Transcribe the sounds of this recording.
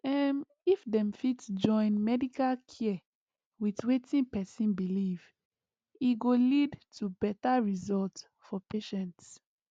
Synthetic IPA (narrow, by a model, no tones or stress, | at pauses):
ɛm | ifdɛ̃mfitsd͡ʒɔ̃ɪ̃nmɛdikalkʰiɛ | witwetʰĩnpɛsĩnbiliv | iɡolidtʰubɛtaɹizɔlt | fɔpeʃɛ̃nts